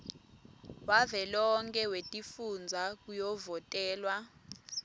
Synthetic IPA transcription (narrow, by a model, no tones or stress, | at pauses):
wavɛlɔŋkʼɛwetʼifund͡zʱak̬ʼujɔvɔtʼɛːlwa